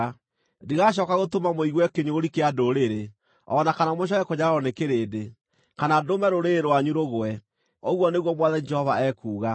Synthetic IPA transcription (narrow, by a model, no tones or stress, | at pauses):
diɣaɕ̬ɔkaɣotomamoiɣwɛkeɲoːɾikeadoɾeɾe | ɔnakanamoɕ̬ɔkɛkoɲaɾaɾɔnekeɾeːde | kanadomɛɾoɾeɾoaɲuɾoɣwɛ | oɣwɔneɣwɔmwaðɛd͡ʒɛhɔvaɛkuːɣa